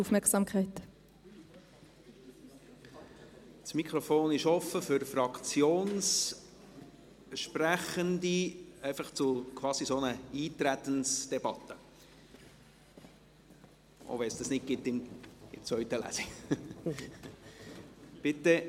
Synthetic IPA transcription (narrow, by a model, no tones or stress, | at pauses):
ufmɛksɑːmkʰɛɪt̪ | smikχɾɔfoːnɪʃɔfːəfʏɾfrɑkt͡sjoːns | əʃpræχənd̪iɛɪfɑχt͡sʊkʰʋɑːsisonəiːt̪ɾæt̪ənsd̥ɛb̥ɑt̪ːə | ʔo̰ʋɛnsd̥ɑsnɪt̚ɡɪt̪ːɪmɪ̰t͡svœʏt̪əlæ̰si | b̥ɪtːə